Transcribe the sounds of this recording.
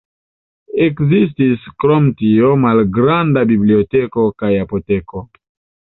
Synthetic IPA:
ekzis̬tiskɾomtiomalɡɾandabibliotekokajapoteko

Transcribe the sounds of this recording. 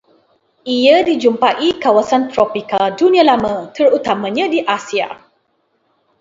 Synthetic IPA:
ʔiədid͡ʒumpaʔikawasant̪ɾɔpikaldunĩãlamə̃t̪ərut̪amãɲãdiʔasia̰

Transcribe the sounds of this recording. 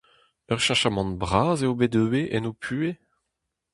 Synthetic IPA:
œʁʃãʃamɑ̃nbʁaːzeobedøweʔɛnopʰyːe

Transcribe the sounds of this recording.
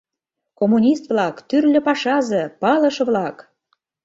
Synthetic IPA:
komunʲist̪vlɑkt̪yrlʲɘ̆pɑʃɑzɤ̆pɑlɤ̆ʃβlɑk

